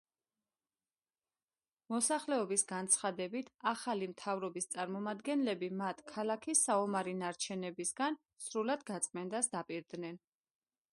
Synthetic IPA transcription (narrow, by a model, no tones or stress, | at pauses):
mɔsaχlɛɔbisɡant̪sʰχad̪ɛbit̪ʰaχalimt̪ʰavɾɔbist̪sʼaɾmɔmad̪ɡɛnlɛbimat̪ʰkʰalakʰisaɔmaɾinaɾt͡ʃʰɛnɛbisɡan | sɾulad̪ɡat̪sʼmɛnd̪asd̪apʼiɾd̪nɛn